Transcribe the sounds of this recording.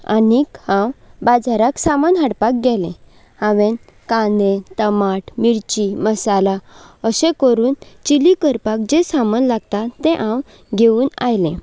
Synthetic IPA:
a̰nikhãwbad͡zaɾaksamənɦaɽpak̚ɡɛlẽ | hãʋen | kanet̪əmaʈmiɾt͡ɕiməsalaəɕẽkəɾuːnt͡ɕilikəɾpak̚d͡ʑesamənlaɡt̪at̪ẽʔãw | ɡʱeuːna̰jlẽ

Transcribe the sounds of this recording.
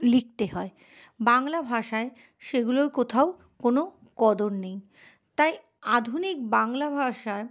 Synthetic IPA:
lik̚t̪eɦɔe | baŋlabʱaʃae | ʃeɡuloɾkot̪ʰao | kono | kɔd̪onnej | t̪aj | ad̪ʱunik̚baŋlabʱaʃa

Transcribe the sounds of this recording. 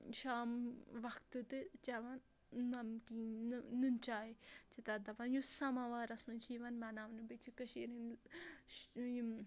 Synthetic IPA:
ʃaːmʋɐkʰt̪ɨt̪ɨt͡ʃɐʋɐnː | ɐmkinnɨnt͡ʃaːit͡ʃit̪ɐd̪ɐʋɐnjusɐmɐʋaːɾɐsmɐnt͡ʃʰiːʋɐnmɐnaːʋnɨbɐt͡ʃʰikɐʃiɾin | j

